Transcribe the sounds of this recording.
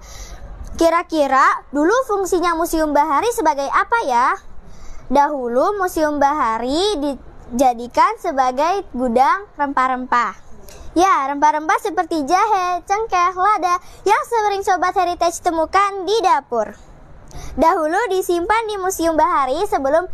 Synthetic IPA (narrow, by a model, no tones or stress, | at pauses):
kiɾakiɾadulufuŋsiɲamusiʊmbaɦaɾisəbaɡajapaja | daɦulumusiʊmbaɦaɾidid͡ʒadikansəbaɡajɡudaŋrəmpaɾəmpajaɾəmpaɾəmpasəpərt̪id͡ʒaɦɛt͡ʃəŋkɛhladajaŋsəɾɪŋsobat̪̚heɾit̪ɛt͡ʃt̪əmukandidapʊr | daɦuludisimpandimusiʊmbaɦaɾisəbəlʊm